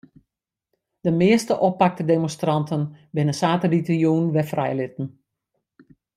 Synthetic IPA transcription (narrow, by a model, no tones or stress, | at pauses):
d̥əmɪəstəʔɔpːak̚tədemɔnstrɑntʰənbɪnəsaːtəditjuːnʋɛfrɛjlɪtn̩